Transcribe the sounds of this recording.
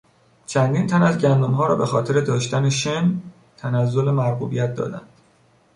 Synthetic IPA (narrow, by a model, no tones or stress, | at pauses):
t͡ʃʰænd̪iːnt̪ʰænæzɟænd̪omɦɒːɾɒ̰ːbe̞xɒːt̪ʰe̞ɾe̞d̪ɒːʃt̪æneʃen | t̪ʰænæzːo̞lemæɾɡuːbijæt̪̚d̪ɒ̰ːd̪æ̰nd̪̥